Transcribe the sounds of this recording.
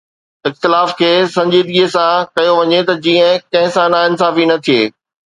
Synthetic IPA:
ɪxt̪ɪlaːfkʰeːsɐ̃ɲd͡ʑiːd̪ɡiːsãkɐjoʋɐɲet̪ɐd͡ʑiːə̃kɐ̃ɦɪ̃sãnãɪnsaːfinɐt̪ʰieː

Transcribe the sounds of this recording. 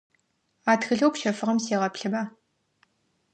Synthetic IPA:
aːtxɨɮɐwpʃɐfɨʁɐmseːʁɐpɬɨbaː

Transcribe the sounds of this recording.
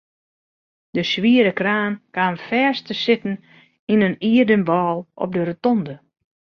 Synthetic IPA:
dəsʋiəɾəkraːnkaːnfɛːstəsɪtn̩ | inəniːərdənbɔːlˠɔ̰p̚dəɾətɔndə

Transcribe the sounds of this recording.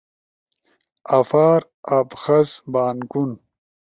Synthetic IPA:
afaːɾ | apxɐzbaːnkun

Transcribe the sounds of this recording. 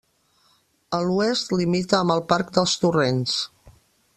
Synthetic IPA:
əluɛst̪limit̪əːmbəlˠpaɾk̚d̪əlˠst̪urens

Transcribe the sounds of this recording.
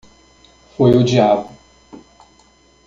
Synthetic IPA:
fojʊd͡ʒiabʊ

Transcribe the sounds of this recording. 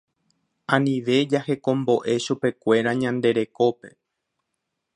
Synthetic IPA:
ãnĩʋe̞d͡ʒahe̞kõ̞mbo̞ʔe̞ʃupe̞kʷe̞ɾaɲãnd̪e̞ɾe̞ko̞pe̞̥

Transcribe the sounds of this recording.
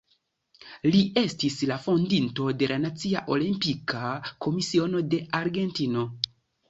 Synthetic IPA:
liʔe̞stislafo̞ndinto̞de̞lʔanat͡sia̰ʔo̞limpikakʰo̞misio̞no̞de̞aɾɡe̞ntino̞

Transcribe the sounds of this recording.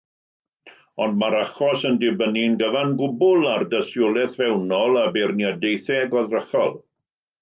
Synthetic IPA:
ɔndmaɾaχɔsəndɪbəninɡəvanɡʊbʊlˠardəsjʊlˠɛθvɛwnɔlˠabɛrniadejθɛɡɔðrəχɔ̰lˠ

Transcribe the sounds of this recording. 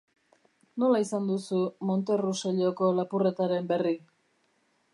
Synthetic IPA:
no̞laisand̪usumo̞nt̪e̞ruseʎo̞ko̞lapure̞t̪aɾe̞mbe̞ri

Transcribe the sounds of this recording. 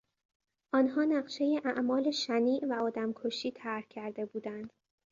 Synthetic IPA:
ʔɒːnɦɒːnæɢʃe̞jeʔæʔmɒːle̞ʃæniːʔvæɒːd̪æmkʰoʃiːt̪ʰæɾhcʰæɾd̪e̞buːd̪ænd̪̥

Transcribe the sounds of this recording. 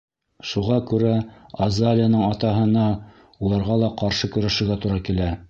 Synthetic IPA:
ʃuʁɑkʉɾæɐzalʲɪjanɤɴɑt̪ɑɦɤ̆nɑ | ulˠɑɾʁɑlˠɑqɑɾʃɤkɵ̆ɾæʃɘ̆ɾɡæt̪uɾɑkilæ

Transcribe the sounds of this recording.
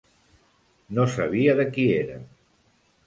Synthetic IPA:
nosəβiəðəkieɾə̰

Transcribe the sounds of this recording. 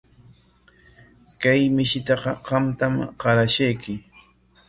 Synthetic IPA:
kajmɪʃɪt̪ɑqɑɢɑmt̪amɢɑɾaʃajkɪ

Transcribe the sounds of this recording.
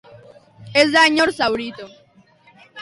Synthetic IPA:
ezðaɲoɾsawɾit̪o

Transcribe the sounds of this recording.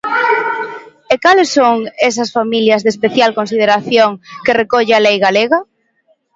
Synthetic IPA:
ekalesːoŋes̬ɐsfamiljɐzðespeθjalkonsið̞eɾaθjoŋkerekɔʎealejɣaleɣɐ

